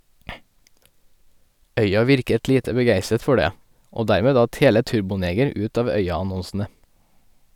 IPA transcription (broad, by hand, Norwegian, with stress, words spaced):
ˈœʏɑ ˈʋɪɾkət ˈliːtə bəˈɡæɪsət ˈfɔ ˈɖeː ˈoː ˈdæɾmeː ˈdɑt ˈheːlə ˈtʉɾbʊˌneːɡəɾ ˈʉːt ˈɑːʋ ˈœʏɑɑˌnɔnsn̩ə